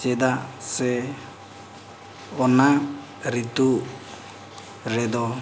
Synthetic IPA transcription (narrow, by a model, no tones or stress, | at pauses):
t͡ʃɛd̪asɛ | ɔna | ɾit̪u | ɾɛd̪ɔ